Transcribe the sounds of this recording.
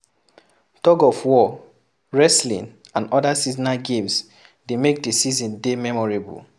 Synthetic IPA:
tɔɡɔfwɔ | ɹɛslḭ̃n | ãnɔdasiznaɡẽms | demek̚desizɔ̃ndemɛmɔɹebṵl

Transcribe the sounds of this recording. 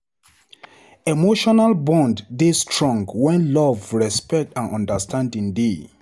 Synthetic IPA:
emoʃɔnalbɔ̃ndːestʰɹɔ̃ŋɡwɛ̃nlɔvɹɛspɛk̚tãnʔɔ̰̃ndəstʰãndĩŋde

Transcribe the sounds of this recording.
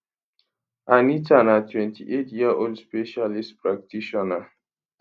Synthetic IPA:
anitanatwɛ̃ntʰiʔetjaʔoldspeʃalistpɹak̚tʰiʃɔna

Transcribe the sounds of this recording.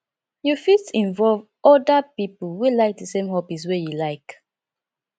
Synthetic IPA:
jufitĩnvɔlv | ɔdapipəlwilaɪk̚ðəsẽmhɔbis̬wejulaɪk

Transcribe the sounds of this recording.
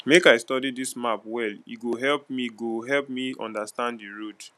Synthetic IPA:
mekaɪstɔdidismapwɛlḭɡoɦɛlp̚miɡoɦɛlp̚miɔ̰̃ndastãndiɹud

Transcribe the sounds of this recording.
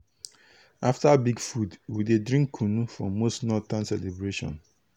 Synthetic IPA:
aftabiɡfudwidedɹĩŋkʰːunufɹɔ̰̃mːostnɔtãnsɛlebɹeʃɔ̰̃n

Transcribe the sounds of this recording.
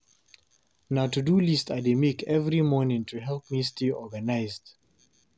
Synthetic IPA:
naʊtudulistademikʰɛvɹimɔnɪ̃ŋtʰuɦɛlˠpmistiɔɡanaɪzd̥

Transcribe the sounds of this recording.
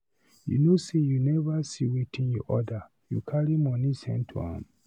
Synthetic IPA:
jṵnosejunɛvasiwitʰĩnjɔʔɔda | jṵkʰaɹimɔ̃nisɛ̰̃ntʰṵã̰m

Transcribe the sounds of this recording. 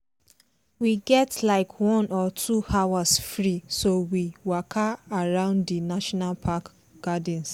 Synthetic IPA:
wiɡɛtlaɪkʰwɔ̃nʔɔtʰuhawasfɹisowiwakʰaaɹãʊ̃nddinaʃɔnalpʰak | ɡ̥ad̃ns

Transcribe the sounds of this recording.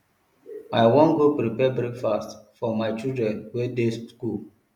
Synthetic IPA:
aɪwɔ̃nɡopɾipɛbɹekfastfɔmaɪt͡ʃildɹɛ̃nwedesskul

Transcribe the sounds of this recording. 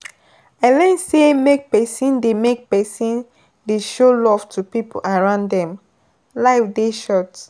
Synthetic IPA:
alɛ̃nsemek̚pɛsĩndemek̚pɛsĩn | deʃolɔv̥tʰupipʰolaɹãʊ̃ndɛ̃m | laɪfdeʃɔt

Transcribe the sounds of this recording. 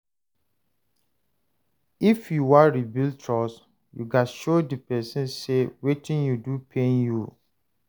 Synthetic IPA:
ifjuwaɹibiltʰɹɔs | juɡaʃodipɛsĩnsewetĩnjudupʰẽnju

